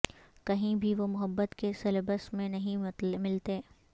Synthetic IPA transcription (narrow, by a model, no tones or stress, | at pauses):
kɐɦĩbʱiʋomʊɦəbːət̪kesɐlbəsmẽnɐɦĩmɪlt̪eː